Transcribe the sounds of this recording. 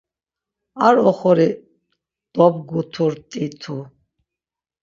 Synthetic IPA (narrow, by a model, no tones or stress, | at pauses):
aɾɔχɔɾi | d̪̥ɔb̚ɡut̪ʰuɾt̪ʼit̪ʰu